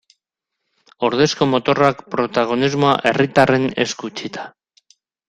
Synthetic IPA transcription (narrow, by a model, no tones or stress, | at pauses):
o̞ɾðe̞sko̞mo̞t̪o̞rakpɾo̞t̪aɣ̞o̞nizmoa̰ʔe̞rit̪are̞ne̞̰skut͡ʃit̪ḁ